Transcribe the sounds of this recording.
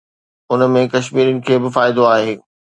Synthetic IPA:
ʊnəmẽkɐʃmiːɾənɪ̆kʰeːbɪfaːɪd̪oaːɦeː

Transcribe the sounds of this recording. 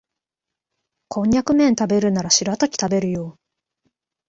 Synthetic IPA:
kʰõ̞ɲjakɯ̟mẽ̞nt̪abe̞ɾɯ̟naɾaɕiɾat̪akʲi̥t̪abe̞ɾɯ̟joː

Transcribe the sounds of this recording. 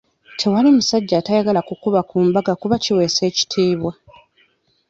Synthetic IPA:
tʰe̞walimusaɟːaːtajaɡalakukuβakuːmbaɡakuβaciwe̞ːse̞ːci̥tʰiːβwa

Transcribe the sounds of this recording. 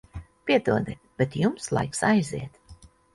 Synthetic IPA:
pʲiɛt̪uɔd̪ɛ | b̥et̪jumslˠa̰jksajzḭɛt̪

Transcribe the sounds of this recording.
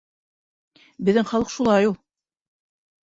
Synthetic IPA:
bɘ̆ðːɘŋχɑlˠɤqʃulˠɑjulˠ

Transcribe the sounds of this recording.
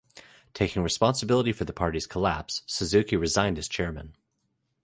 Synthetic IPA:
tʰeɪkɪ̃ŋɹɨspɑ̃nsəbɪlˠəɾifə˞ðəpʰɑɹɾiz̥kʰəlæpsːɨzʉkiɹɨzãɪ̃ndɨz̥t͡ʃʰɛɹmɨ̰̃n

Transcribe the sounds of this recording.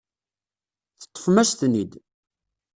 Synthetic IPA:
θə̥t̪ˤːə̥fmæʃθnid̪

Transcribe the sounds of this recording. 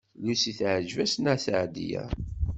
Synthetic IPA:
lisiθʕəd͡ʒvæsnæθʕd̪ḭjæ̰

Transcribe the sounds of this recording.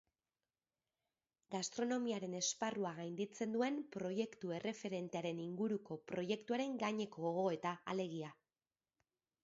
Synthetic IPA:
ɡast̪ɾo̞no̞miaɾe̞ne̞sparuaɣajnd̪it͡se̞nd̪ue̞mpɾo̞je̞kt̪ue̞re̞fe̞ɾe̞nt̪e̞aɾe̞niŋɡuɾuko̞pɾo̞je̞kt̪uaɾe̞ŋɡaɲe̞kooɣo̞e̞t̪aale̞ɣ̞ia

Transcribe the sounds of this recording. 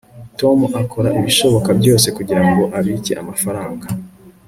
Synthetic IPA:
to̞muʔakʰo̞ɾaʔiβiʃo̞βo̞kabɟo̞ːse̞kuɟiɾaŋɡo̞ʔaβicḛʔa̰mafaɾaːŋɡa

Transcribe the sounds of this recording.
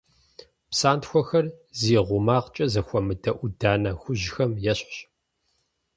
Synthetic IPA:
psaːntxʷɔxɐrziːʁʷʊmaːʁt͡ʃʼɐzɐxʷɔmɨdɐʔʷʊdaːnɐxʷʊʑxɐmjɛɕɕ

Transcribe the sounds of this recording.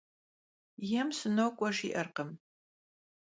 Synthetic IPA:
jɛmsɨnowkʷʼɔʂiʔɐrqəm

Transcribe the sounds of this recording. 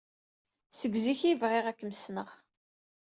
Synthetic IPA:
səɡziçivʁɪʁækːməsnəʁ

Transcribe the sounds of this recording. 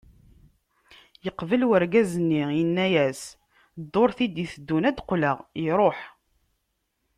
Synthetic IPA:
jəqvəlwəɾɡæzənːijənːæjæs | d̪ːoɾθid̪iθəd̪ːunæd̪qləʁiɾˤoħ

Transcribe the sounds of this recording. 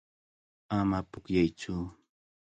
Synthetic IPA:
amapʊkjajt͡ʃʊ

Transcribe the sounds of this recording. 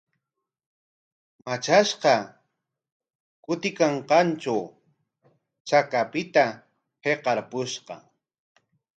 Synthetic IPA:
mat͡ʃaʃqɑ | kʊt̪ɪkaɴqɑnt͡ʃaw | t͡ʃakapɪt̪a | heqɑɾpʊʃqɑ̰

